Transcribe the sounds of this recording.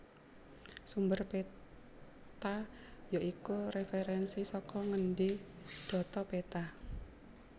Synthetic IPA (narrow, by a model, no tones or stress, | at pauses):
sumbərpe | t̪a | joʔikurefeɾɛnsisɔkɔŋənɖi | ɖ̥ɔ̤t̪ɔpet̪a